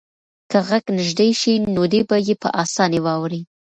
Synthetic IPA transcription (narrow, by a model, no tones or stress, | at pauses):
kəɣaɡnɪʒd̪ejʃinod̪ebajepə̰ʔɑsɑnewɑwɾi